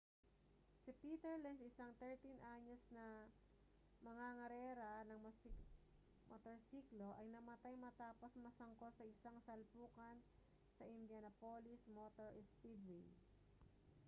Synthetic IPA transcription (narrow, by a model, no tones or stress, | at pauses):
sipiːt̪ɛɹlɛnd̪ɪsaŋt̪ɛɹt̪inʔaɲosnɐ | mɐŋaŋɐɾɛːɾɐnɐŋm | mʔot̪oɹsiːklo̞ʔɐjnɐmɐt̪ajmɐt̪aːposmɐsɐŋkosɐʔɪsaŋsɐlpuːkɐn | sɐʔɪnd̪jɐnɐpoːlɪsmot̪oɹɪspib̪wi